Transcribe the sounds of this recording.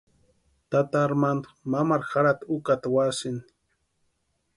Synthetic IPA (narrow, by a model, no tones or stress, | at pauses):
t̪at̪aːɾmand̪mamaɾxaɽat̪ukat̪awasɪni̥